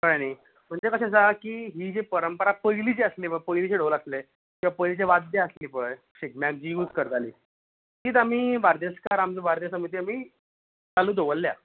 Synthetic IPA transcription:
kəanaj | m̤əɳd͡zekəɕas̬akiːɦiːd͡ʑepəɾəmpəɾapəjlit͡ɕeəslipəpəjlit͡ɕeɖoləsle | t̪iʋapəjlit͡ɕeʋad̪aəsliːpəj | ɕik̚mjak̚d͡ʑiuːt͡skəɾt̪aliː | t̪iːt̪amiːbaɾt̪jəskaɾamt͡səbaɾt̪jəsəmit̪iːamiː | t͡saluːd̪oʋəlːja̰

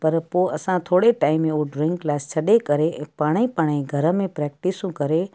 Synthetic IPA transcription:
pɐɾpoɐsãt̪ʰoːɽeʈaːɪmːẽoɖɾɪ̃ŋklaːst͡ɕʰɐɗekɐɾeɛ̃ːpaːɽ̃ĩpaːɽ̃ĩɡʱɐɾəmẽpɾɛːk̚ʈɪsũkɐɾe

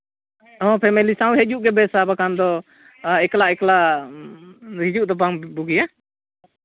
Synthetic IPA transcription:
ɔ̃pʰɛmɛlisãw̃ɦɛd͡ʒuʔɡɛbɛsabakand̪ɔ | ɛklaʔɛklaʔ | ɾid͡ʒuʔd̪ɔbaŋbuɡija

